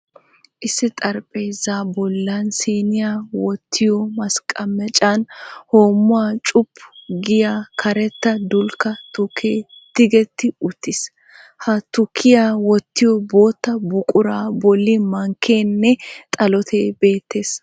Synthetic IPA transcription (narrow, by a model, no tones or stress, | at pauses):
ʔɪsːɪt̪ʼɐɾpʼejzaːbɔlːɐnsiːnɪjaːwɔt̪ʰːɪjɔmɐskʼɐmɛt͡ʃʼanhoːmːʊaːt͡ʃʼʊpːʊɡɪjakʰɐɾɛt̪ːɐd̪ʊlkːɐt̪ʊkʰːeːd̪̥ɪɡɛt̪ːɪʊt̪ːɪs | hɐt̪ʊkʰːɪjaːwɔt̪ːɪjɔboːt̪ːɐbʊkʼʊɾaːbɔlːɪmɐŋkʰːeːnːɛt̪ʼɐlɔt̪ʰe̞ːbe̞ːt̪ːe̞ːs